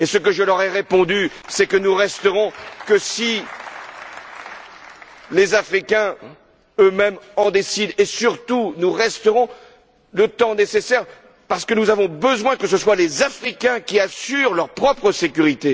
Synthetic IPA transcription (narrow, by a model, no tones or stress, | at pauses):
esək̬əʒəlœʁɛʁepɔ̃d̪ysɛkənuʁɛst̪əʁɔ̃kəsi | lezafχikʲɛ̃ | ømɛmɑ̃d̪esid̪esyʁt̪unuʁɛst̪əʁɔ̃ | lət̪ɑ̃nesesɛʁ | paʁsə̥kənuzavɔ̃bəzwɛ̃kəsəswalezafχikʲɛ̃kʲiasyʁlœʁpχɔpχəsekʲyʁit̪e